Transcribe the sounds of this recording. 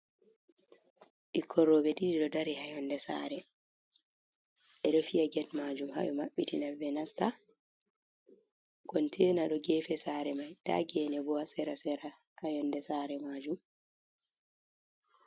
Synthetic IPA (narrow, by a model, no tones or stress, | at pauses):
ʔikʰɔɾːɔbɛdidiɗɔdaɾihajɔndɛsa̰ːɾɛ | ʔɛɗɔfijaɡɛtmad͡ʒumha̰ʔumaɓːitinabɛnasta | ɡ̥ɔntʰɛːnaɗɔɡɛːfɛsaːɾɛmajda̰ɡɛːnɛbɔasɛɾasɛɾa | hajɔndɛsaɾɛmaːd͡ʒum